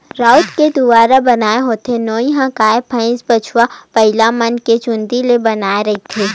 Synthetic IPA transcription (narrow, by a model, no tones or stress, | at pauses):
ɾaːʊt̪ked̪ʊbaːɾabɐnaːeɦoːt̪enoːĩɦãkaːepʰə̃ɪ̃sbɐt͡ʃʰwapɐɦɪlamɐnket͡ʃʊ̃nd̪ilebɐnaːeɾɐɦit̪ʰeː